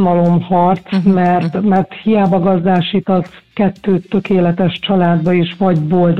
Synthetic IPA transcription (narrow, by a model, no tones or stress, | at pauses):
mɒlo̞mhɒrt̪smɛrt̪mɛrt̪hijaːbɒɡɒzd̪aːʃiːt̪ɒzkɛt̪ːøːt̪ːø̞keːlɛt̪ɛʃt͡ʃɒlaːd̪bɒeʃʋɒɟboːld̪